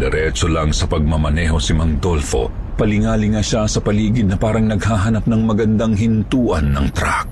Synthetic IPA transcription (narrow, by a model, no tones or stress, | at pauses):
d̪ɛɾɛt͡ʃolɐŋsɐpɐɡ̚mɐmɐnɛːɦo̞sɪmɐŋd̪o̞lfo̞̰ | pɐlɪŋaːlɪŋaʃasɐpɐliːɡɪd̪̚nɐpaːɾɐŋnɐɡ̚haːɦanɐp̚nɐŋmɐɡɐnd̪aŋɦɪnt̪uːʔɐnːɐŋt̪ɾa̰k̚